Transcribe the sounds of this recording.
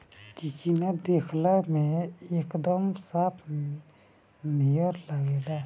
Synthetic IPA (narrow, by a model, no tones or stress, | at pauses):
t͡ʃikinad̪eːkʰlamẽeːkd̪əmsaːpʰm | nijəɾlaɡeːla